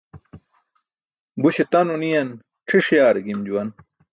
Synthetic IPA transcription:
buɕet̪ɐnunijɐn | ʈ͡ʂʰiʂjaːɾɡimd͡ʑuwɐn

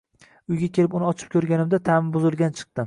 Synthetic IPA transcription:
ʊjɡʲakʲe̞lɪpʊnɪɒt͡ʃʰɪ̥p̚kʲʰɵɾɡʲanɪmd̪at̪ʰamɪmbʊzɪlˠɡʲant͡ʃʰɨ̥q̚t̪ɪ

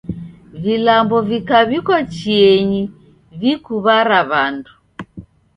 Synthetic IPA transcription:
vilambɔvikaβikɔt͡ʃiɛɲi | vikuβaɾaβandu

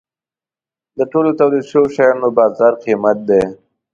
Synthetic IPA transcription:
d̪əʈolot̪awlid̪ʃəwoʃajanobɑːzɑːɾqimat̪̚d̪e

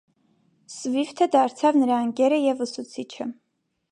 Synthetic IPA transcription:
svift̪ʰəd̪ɑɾt͡sʰɑvnəɾɑəŋɡɛɾəjɛvəsut͡sʰit͡ʃʰə

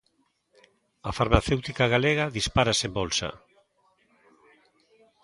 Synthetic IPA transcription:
afaɾmaθewt̪ikaɣaleɣaðispaɾasembɔlsa̰

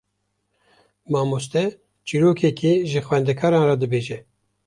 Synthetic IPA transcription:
mɑːmos̬t̪ɛ | t͡ʃiɾoːkʰɛkʰiʒɨxwɛnd̪ɛkʰɑːɾɑːnrɑd̪ɨbeːʒɛ

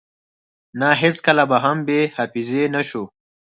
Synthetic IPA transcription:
naɦeskɐlabaɦɐmbehafizenaʃu

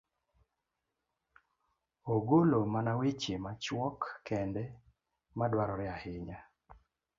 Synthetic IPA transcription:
oɡolomanawit͡ʃemat͡ʃwɔkːɛndɛ | madwaɾɔɾɪahɪɲa

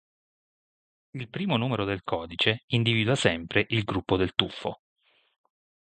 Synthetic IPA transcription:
ilpɾiːmonuːmeɾod̪elkʰɔːd̪it͡ʃeind̪iviːd̪wasɛmpɾeʔilɡɾupːod̪elt̪ufːo̰

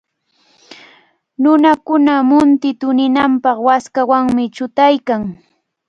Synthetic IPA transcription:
nʊnakʊnamʊnt̪ɪt̪ʊnɪnampɑχwaskawaŋmɪt͡ʃʊt̪ajkaŋ

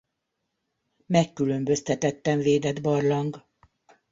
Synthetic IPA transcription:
mɛkːylø̞mbøst̪ɛt̪ɛt̪ːɛɱveːd̪ɛd̪bɒrlɒŋɡ

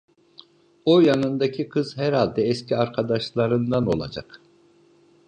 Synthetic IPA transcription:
ojanɯnd̪acʰikʰɯz̥hɛɾhalʲd̪ɛɛscʰiaɾkʰad̪aʃlˠaɾɯnd̪ano̞̰lˠa̰d͡ʒa̰k

